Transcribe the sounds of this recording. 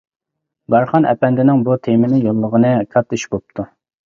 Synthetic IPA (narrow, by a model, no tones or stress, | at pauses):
bɑɾχɑnɛ̰pɛnd̪ɪnɪŋbut̪ʰemɪnɪjolˠːəʁənɨkʰɑt̪ːiʃbop̚t̪ʰu